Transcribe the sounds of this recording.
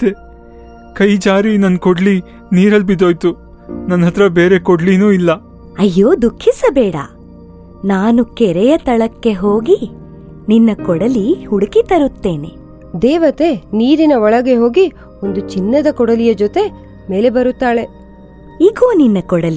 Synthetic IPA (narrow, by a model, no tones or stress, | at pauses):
t̪e | kɐjd͡ʒaːɾinɐnkoɽli | niːɾɐlbid̪oːjt̪u | nɐnɦɐt̪ɾɐbe̞ːɾe̞koɖlinuːilːɐ | ɐjːoːd̪ukʰːisɐbɛːɽɐ̰ | naːnukɛɾɛjɐt̪ɐɭɐkːe̞ɦoːɡi | ninːɐkɔɽɐlihuɽukit̪ɐɾut̪ːe̞ːne̞̰ | d̪eːʋɐt̪e̞niːɾinɐɔɭɐɡe̞ɦo̞ːɡi | ond̪ut͡ʃinːɐd̪ɐkɔɽɐlijɐd͡ʒot̪e̞ | me̞ːle̞bɐɾut̪ːaːɭe̞ | iɡo̞ːninːɐkɔɽɐli